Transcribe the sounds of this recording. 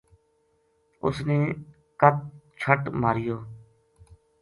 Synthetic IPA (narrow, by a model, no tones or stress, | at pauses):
ʊ̰sneː | kət̪̚t͡ʃʰəʈmaːɾɪjoː